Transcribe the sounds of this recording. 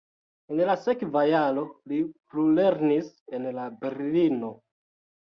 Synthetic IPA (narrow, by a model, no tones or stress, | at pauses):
enlasekvajalo̞liplule̞ɾnis | enlabe̞ɾlino̞